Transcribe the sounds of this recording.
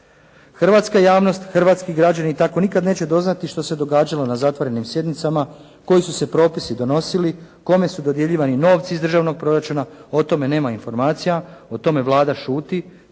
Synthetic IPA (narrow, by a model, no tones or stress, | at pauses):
xrʋat̪skajaːʋno̞st̪xr̩ʋaːt̪skiɡɾad͡ʑanit̪ako̞nikad̪ne̞ːt͡ɕe̞d̪o̞znat̪iʃt̪o̞se̞d̪o̞ɡaːd͡ʑalo̞nazat̪ʋo̞ɾe̞nimsje̞d̪nit̪sama | ko̞jisuse̞pɾo̞ːpisid̪o̞no̞siliko̞me̞sud̪o̞d̪jeʎiːʋanino̞ːʋt̪siizd̪r̩ʒaʋno̞ɡ̚pɾo̞ɾat͡ʃunao̞t̪o̞me̞ne̞ːmainfo̞ɾmaːt̪sijao̞t̪o̞me̞ʋlˠaːd̪aʃuːt̪i